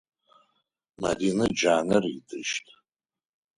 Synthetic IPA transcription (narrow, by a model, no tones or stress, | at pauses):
ma̰dinɨd͡ʒaːnɨridʰɨʃtʼ